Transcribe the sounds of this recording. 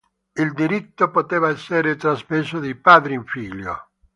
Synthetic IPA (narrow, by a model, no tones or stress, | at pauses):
ild̪iɾit̪ːopot̪eːvaɛsːeɾet̪ɾazmesod̪ipaːd̪ɾeiɱfiʎːo̰